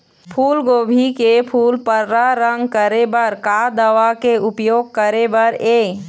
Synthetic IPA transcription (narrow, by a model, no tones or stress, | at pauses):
pʰuːlɡoːbʱikepʰuːlpəɾːaɾə̃ŋɡkəɾebəɾkad̪əʋakeʊpjoːɡ̚kəɾebəɾeː